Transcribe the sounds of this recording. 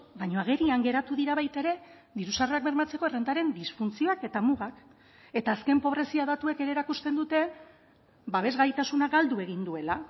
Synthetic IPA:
bajɲo̞aɣe̞ɾiaŋɡe̞ɾat̪uðiɾaβajt̪eɾe̞ | ðiɾusareak̚be̞ɾmat͡se̞ko̞e̞rend̪aɾe̞nd̪isfunt͡sio̞ake̞t̪amuɣak | e̞t̪aːske̞mpo̞β̞ɾe̞siaðat̪ue̞ke̞ɾeɾakust̪e̞nd̪ut̪e̞ | baβe̞zɣajt̪asunaɡald̪ue̞ɣ̞ind̪ue̞la

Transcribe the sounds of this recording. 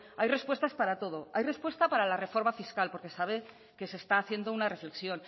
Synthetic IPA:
ajre̞spwe̞st̪aspaɾat̪o̞ð̞o̞ajre̞spwe̞st̪apaɾalare̞fo̞ɾmafiskalpo̞ɾke̞saβ̞e̞ | ke̞se̞ːst̪aːθje̞nd̪o̞unare̞fle̞ksjo̞n

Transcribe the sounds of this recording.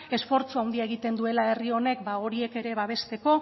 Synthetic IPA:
e̞sfo̞ɾt͡suawnd̪iaeɣ̞it̪e̞nd̪ue̞laerio̞ne̞kbao̞ɾie̞ke̞ɾe̞βaβ̞e̞st̪e̞ko̞

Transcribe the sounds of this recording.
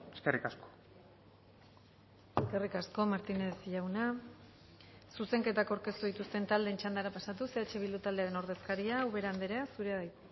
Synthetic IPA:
eskerikasko̥ | eskerikasko̞maɾt̪inesʎawna | suse̞ŋke̞t̪akawɾke̞st̪uðit̪ust̪e̞nt̪ald̪e̞nt͡ʃand̪aɾapasat̪use̞at͡ʃe̞βild̪ut̪ald̪e̞aɾe̞no̞ɾðe̞skaɾiauβe̞ɾand̪eɾeasuɾeðaj

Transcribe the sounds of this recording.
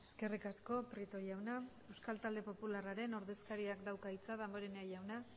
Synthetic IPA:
e̞ske̞rikasko̞pɾit̪o̞jawna | e̞wskalt̪ald̪e̞po̞pularaɾe̞no̞ɾðe̞skaɾiakd̪awkait͡saðambo̞ɾeneajawna

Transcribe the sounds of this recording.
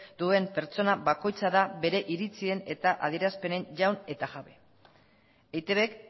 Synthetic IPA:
d̪̥ue̞mpe̞ɾt͡so̞naβako̞jt͡saðaβe̞ɾe̞ʔiɾit͡sie̞ne̞t̪aʔað̞ie̞ɾaspe̞ne̞ɲʝawne̞t̪aɣaβe̞ | ejt̪eβek

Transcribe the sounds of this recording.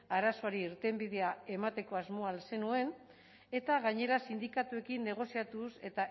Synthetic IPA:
aɾaso̞aɾiːɾt̪e̞mbið̞e̞ae̞mat̪e̞ko̞azmo̞alse̞nue̞n | e̞t̪aɣaɲe̞ɾasind̪ikat̪ue̞kinːe̞ɣ̞o̞siat̪use̞t̪a

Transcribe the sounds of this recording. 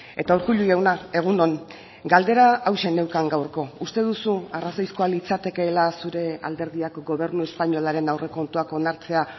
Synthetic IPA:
e̞t̪auɾkuʎuʝawnae̞ɣ̞uno̞n | ɡald̪e̞ɾaːwʃe̞ne̞wkaŋɡawɾko̞ust̪e̞ðusuarasojskoalit͡sat̪e̞ke̞ːlasuɾe̞a̰ld̪e̞ɾðiakɡo̞β̞e̞ɾnue̞spaɲo̞laɾe̞nawre̞ko̞nt̪uako̞naɾt͡se̞a

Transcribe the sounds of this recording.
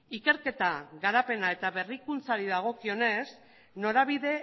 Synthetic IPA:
ike̞ɾke̞t̪aɣaɾape̞nae̞t̪aβe̞rikunt͡saɾiðaɣ̞o̞kio̞ne̞s | no̞ɾaβ̞iðe̞

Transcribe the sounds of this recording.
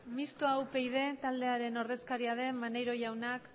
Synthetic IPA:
mist̪oawpe̞jð̞e̞t̪ald̪e̞aɾe̞no̞ɾðe̞skaɾiaðe̞manejɾo̞ʝawnak

